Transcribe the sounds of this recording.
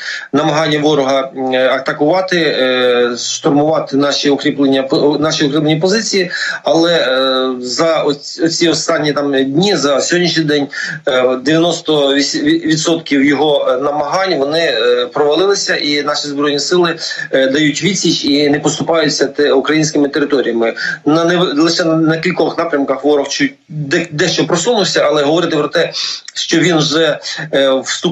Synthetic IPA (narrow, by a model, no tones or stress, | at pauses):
nɐmɐɦɑnʲːɐʋɔɾɔɦɐɐt̪ɐkʊʋɑt̪ɪ | ʃt̪ɔrmʊʋɑt̪ɪnɑʃʲiʊkɾʲiplˠenʲɐnɑʃiʊkɾiplˠenʲip̬ɔzɪt͡sʲijiɐlˠɛ | zɐɔ | ɔt͡sʲiɔst̪ɑnʲːit̪ɑmdʲnʲizɐsʲɔdʲnʲiʃnʲid̪ɛnʲ | d̪eʋʲjɐnɔst̪ɔʋʲid̪sɔt̪kʲiwjɔɦɔnɐmɐɦɑnʲʋɔnɪpɾɔʋɐlˠɪlˠɪsʲɐʔinɑʃizbɾɔjnʲisɪlˠɪd̪ɐjutʲʋʲit͡sʲit͡ʃinɛpɔst̪ʊpɑjʊt͡sʲːɐt̪ukɾɐjinʲsʲkɪmɪt̪eɾɪt̪ɔɾʲijɐmɪnɐɛlˠɪʃɛnnɐkʲilʲkɔxnɑpɾʲɐmkɐxʋɔɾɔxt͡ʃ | d̪ɛd̪ɛʃt͡ʃɔpɾɔsunʊwsʲɐʔɐlˠɛɦɔʋɔɾɪt̪ɪpɾɔt̪ɛʃt͡ʃɔʋʲinwʒɛ | wst̪u